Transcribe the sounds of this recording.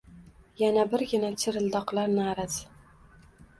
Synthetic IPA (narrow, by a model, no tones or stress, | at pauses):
janabɪɾɡʲɪnat͡ʃʰɪɾɪld̪ɒqlaɾnɪːɾas